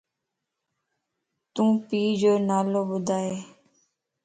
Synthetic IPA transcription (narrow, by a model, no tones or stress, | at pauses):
t̪ũːpiːd͡ʒoːnaːloːbʊd̪ʱaːeː